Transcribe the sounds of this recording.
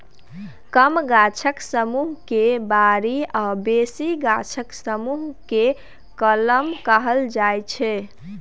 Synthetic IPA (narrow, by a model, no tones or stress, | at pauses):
kəmɡat͡ʃʰəksəmuɦkebaɾiabesiɡat͡ʃʰəksəmuɦke | kələmkəɦəld͡ʒajt͡ʃʰɛ